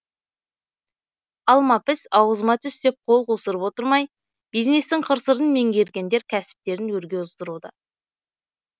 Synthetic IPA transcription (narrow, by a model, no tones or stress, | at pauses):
ɑlˠmɑpɪsɑwəzmɑt̪ʰʏst̪e̞p̚qʰo̞lˠqʰosəɾəpwo̞t̪əɾmɑj | b̥ijzne̞st̪ɪŋqʰəɾsəɾənme̞ŋɡʲe̞ɾɡʲe̞nd̪e̞ɾkʲʰæsɪ̥p̚t̪e̞ɾɪnwɵɾɡʲe̞ʊzd̪əɾud̪ə̰